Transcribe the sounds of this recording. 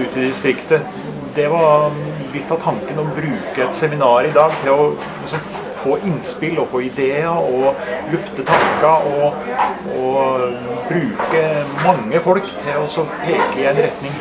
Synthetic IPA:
ʉːt̪ɪd̪ɪst̪ɾɪkt̪ə | d̪ɛʋɑɾlɪt̪ːɑʋt̪ʰɑŋkənɔbɾʉːkəɛt̪sɛmɪnɑːɾɪd̪ɑːɡt̪ʰɪlɔ | lɪsɔm | foːʔɪnspɪlɔfoːɪd̪eːəɔlʉft̪ət̪ʰɑŋkəɔ | ɔ | bɾʉːkəmɑŋːəfɔlkt̪ʰɪlɔɔsɔpʰeːkəɪɛɪnɾɛt̪nɪŋ

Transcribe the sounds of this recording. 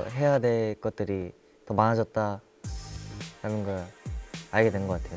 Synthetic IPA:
ɦe̞jade̞ɭk͈ʌt̚t͈ɯɾi | tʌmanad͡ʑʌt̚t͈a | ɾamɯnɡʌɭ | aɭɡe̞dwenɡʌk͈atʰe̞jo

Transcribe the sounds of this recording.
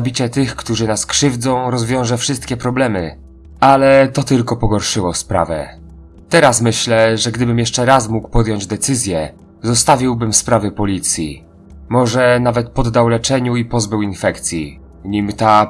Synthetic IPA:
bʲit͡ɕɛt̪ɘxkt̪uʐɘnaskʂɘvd̪zɔ̃w̃ɾɔzvʲjɔ̃w̃ʐɛfʂɘst̪̚kʲɛpɾɔblɛmɘ | alɛt̪ɔt̪ɘlkɔpɔɡɔɾʂɘwɔspɾa̰vɛ̰ | t̪ɛɾasmɘɕlɛʐɛɡd̪ɘbɘmjɛʂt͡ʂɛɾasmukpɔd̪jɔɲd͡ʑd̪ɛt̪sɘzʲjɛ | zɔst̪avʲiwbɘmspɾavɘpɔlʲit̪sʲjḭ | mɔʐɛnavɛt̪̚pɔd̪ːawlɛt͡ʂɛɲuipɔzbɘwinfɛkt̪sʲjḭ | ɲimt̪a

